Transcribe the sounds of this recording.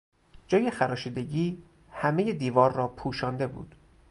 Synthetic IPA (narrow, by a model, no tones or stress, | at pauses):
d͡ʒɒːje̞xæɾɒːʃiːd̪e̞ɟiː | hæme̞jed̪iːvɒːɾːɒːpʰuːʃɒːnd̪e̞bṵːd̪̥